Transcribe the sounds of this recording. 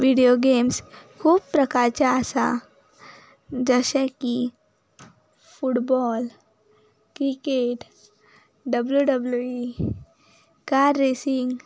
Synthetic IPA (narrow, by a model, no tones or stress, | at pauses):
ʋiɽijoɡemskʰuːbpɾəkaɾt͡ɕaːsa | d͡zəɕɛki | fuʈbɔl | kɾikeʈ | ɖəbljuɖəblui | kaɾːesiŋɡ